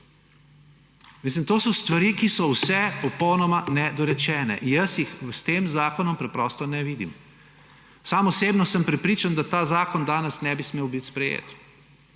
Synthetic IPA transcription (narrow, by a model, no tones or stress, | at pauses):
meːs̬limt̪oːsɔst̪ʋaɾikisɔwsɛpɔpɔwnɔmanɛd̪ɔɾɛt͡ʃɛːnɛ̰ʔinjɐsjixst̪eːmzaːkɔnɔmpɾɛpɾɔst̪ɔnɛʋiːd̪ḭm | saːmɔseːbnɔsəmpɾɛpɾiːt͡ʃand̪at̪aːzaːkɔnd̪aːnɛsnɛbismeːwbit̪spɾɛjḛːt̪